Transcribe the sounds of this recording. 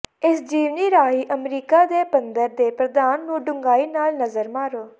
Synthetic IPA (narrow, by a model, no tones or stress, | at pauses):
ɪsd͡ʒiːʋniːɾaːɦiːʔəmɾiːkaːd̪eːpənd̪əɾd̪eːpɾəd̪aːnːũːɖʊŋɡaːiːnaːlnəzəɾmaːɾoː